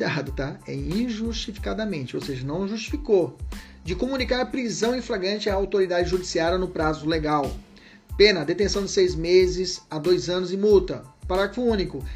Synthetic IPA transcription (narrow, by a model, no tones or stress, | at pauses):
d̪ad̪ʊt̪aɛ̰ĩʒuʃt͡ʃifi̥kad̪ɐmẽnt͡ʃɪo̰wseʒɐnɐ̃w̃ʒuʃt͡ʃi̥fiko | d͡ʒɪkomunikaɾɐpɾizɐ̃w̃ĩflaɡɾɐ̃nt͡ʃɪaːawt̪oɾid̪ad͡ʒɪʒud͡ʒisiaɾiɐnʊpɾazʊleɡaw | pẽnɐːd̪et̪ẽsɐ̃w̃d͡ʒɪ̥sejzmezɪzad̪ojzɐ̃nʊzɪ̃mut̪ɐpaɾaɡɾɐfʊũnikʊ